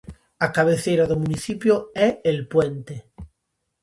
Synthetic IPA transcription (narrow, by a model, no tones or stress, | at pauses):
akaβ̞eθejɾaðomuniθipjoɛelpwent̪e